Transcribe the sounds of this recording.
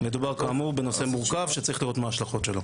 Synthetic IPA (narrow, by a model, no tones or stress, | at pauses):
me̞d̪ubaʁkaːmuʁbe̞no̞se̞muʁkavʃet͡saʁiχliʁo̞t̪maːʃlaχotʃe̞lo